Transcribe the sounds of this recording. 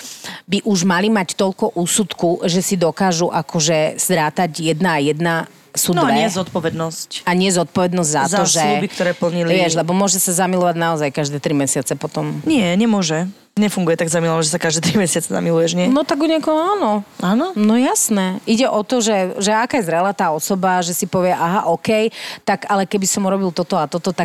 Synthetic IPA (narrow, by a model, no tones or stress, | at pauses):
biʔuʒmalimact̪ɔʎkɔʔuːsut̪kuʒɛsid̪ɔkaːʒuʔakɔʒɛst̪ɾaːt̪aɟjɛd̪naːjɛd̪na | sunɲɪɛzɔt̪̚pɔʋɛd̪nɔscaɲɪɛzɔt̪̚pɔʋɛd̪nɔzɟʲzatzaɔʒɛubikt̪ɔɾɛːpl̩ɲilʋiɪɛʒlɛbɔmʊɔʒɛsazamilɔʋaɟnaɔzajkaʒd̪ɛːt̪ɾimɛsɪat͡sɛpɔt̪ɔmɲɪɛɲɛmʊɔʒɛ | ɲɛfuŋɡujɛt̪aɡzamilɔʋaʒɛsakaʒd̪ɛːt̪ɾimɛsɪat͡sɛza̰milujɛʒɲɪɛnɔt̪aɡuɲɛkɔɦɔaːnɔaːnɔnɔjasnɛiɟɛʔɔt̪ɔʒɛʒɛakaːjɛzɾɛlaːt̪aːɔsɔbaʒɛsipɔʋɪɛʔaɦaʔɔkɛjt̪aɡalɛkɛbisɔmuɾɔbilt̪ɔt̪ɔat̪ɔt̪ɔt̪ak̚